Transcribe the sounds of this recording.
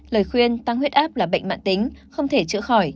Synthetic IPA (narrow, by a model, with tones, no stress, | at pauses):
ləː˨˩jxwi˧ənt̪a˧ŋhwi˦˥ət̚ʔaː˦˥p̚laː˨˩ɓə̰˧˨ŋ̟ma̰ː˧˨nt̪ï˨˦ŋ̟xə˧wŋ͡mt̪ʰe˧˩t͡ɕɨ̰˧˥əxɔ˧˩j